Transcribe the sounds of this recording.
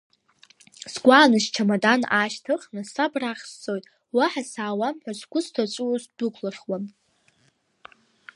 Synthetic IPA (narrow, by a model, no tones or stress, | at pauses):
sɡʷaːnɨʃt͡ʃʰamadanaʃtʰɨχnɨsabraχʲst͡sʼo̞jtʼ | waħasaːwamħʷᶣazʷɡʷʊstʰat͡ʃʷʼuwazdukʷʰlaχwan